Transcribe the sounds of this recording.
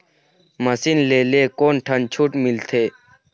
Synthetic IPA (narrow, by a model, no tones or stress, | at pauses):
məsinleːleːkoːnʈʰənt͡ʃʰuːʈmɪlt̪ʰeː